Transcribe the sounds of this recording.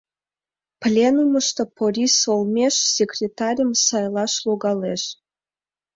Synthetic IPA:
plʲenuməʃt̪opoɾʲisolˠmʲeʃsʲekrʲet̪ɑɾʲəmsɑjlˠɑʃlˠoɣɑleʃ

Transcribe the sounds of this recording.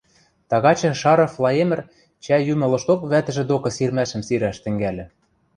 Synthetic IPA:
t̪ɑɣɑt͡ɕɤ̆ʃɑɾɤ̆flˠɑjemɘ̆r | t͡ɕæjymɤ̆lɤ̆ʃt̪okβæt̪ɘ̆ʒĕd̪okɤ̆sirmæʃɘ̆msiɾæʃt̪ɘ̆ŋɡælʲɘ̆

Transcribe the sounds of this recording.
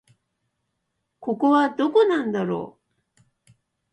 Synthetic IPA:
ko̞koβad̪o̞ko̞nãnd̪aɾo̞̰ː

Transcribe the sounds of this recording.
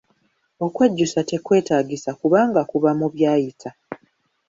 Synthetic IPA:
o̞kwe̞ɟːusate̞kwe̞ːtaːɡisakuβaːŋɡakuβamuβjaːjitʰa

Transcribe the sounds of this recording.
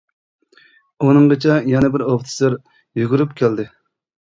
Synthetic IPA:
unɨŋʁət͡ʃʰɛjɛnɛbɪɾopt̪ʰɪ̥sɨɾ | juɡʊɾypkʲʰæld̪ɪ

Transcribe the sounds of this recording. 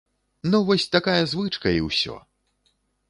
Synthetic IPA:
nuvɔsʲt̪akajɐzvɨt͡ʂkɐḭwsʲɔ̰

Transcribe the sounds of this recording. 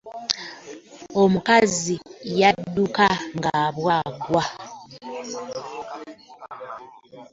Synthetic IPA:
omukazijaddːukaŋɡaβwaɡwa

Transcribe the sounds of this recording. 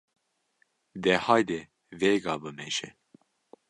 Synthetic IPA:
d̪ɛhɑːjd̪ɛ | veɡɑbɨmɛʒɛ

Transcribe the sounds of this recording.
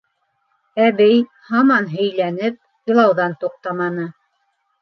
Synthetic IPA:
æβɘj | hɑmɑnɦɵ̆jlænɘp̚jɤ̆lˠɑwðɑnt̪uq̚t̪ɑmɑnɤ

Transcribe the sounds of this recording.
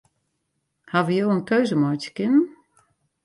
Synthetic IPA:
havəjoːənkøɥzəmɔjtə̥kɪnən̩

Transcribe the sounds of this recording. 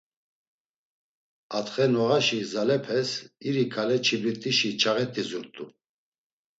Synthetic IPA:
at̪χɛnɔʁaʃizalɛpʰɛsiɾikʰalɛt͡ʃʰibɾit̪ʼiʃit͡ʃʰaʁɛt̪ʼizuɾt̪ʼu

